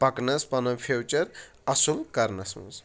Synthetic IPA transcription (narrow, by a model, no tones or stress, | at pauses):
pɐknɐspɐnɐfʰewt͡ʃɐɾ | ɐsulkɐɾnɐsmṵz